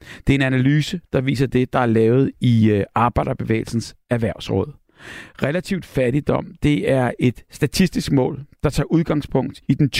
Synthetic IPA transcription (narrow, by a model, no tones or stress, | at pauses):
d̥e̝æɐe̝nænælyːsəd̥ɑ̈ʋḭːsɐd̥e̝d̥ɑ̈æɐlɛːʊð̞̩ˠiɑ̈ːb̥ɑ̈ɪɾ̥ɐb̥e̝ʋḛːɪl̩sn̩sæɐʋæɐ̰ʊsʁɔ̽ð̰ˠ | ʁelæt͡sʰiʊd̥fæɐɾid̥ɒ̽m̰d̥e̝æɐe̝d̥sd̥æt͡sʰisd̥isɡ̥mɔ̰̽ːld̥ɑ̈t͡sʰɑ̰̈ːʔuð̞ˠɡ̥ɑ̈ŋspʰɔ̽ŋ̰d̥id̥ent͡sʰ